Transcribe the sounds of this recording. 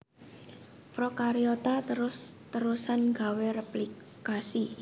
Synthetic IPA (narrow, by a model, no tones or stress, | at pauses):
pɾokaɾiot̪at̪əɾʊst̪əɾusanɡaweɾɛpli | kasi